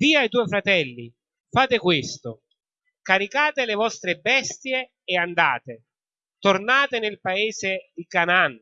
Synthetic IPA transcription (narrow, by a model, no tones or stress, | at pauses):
viːait̪uːjfɾat̪ɛlːḭ | faːt̪ɪkwɪst̪ʊ | kaɾikaːt̪ɪlɪvɔst̪ɾebɛst̪jeː | and̪a̰ːt̪e | t̪ornaːt̪ɪnɪlpaeːzɪd̪ikanan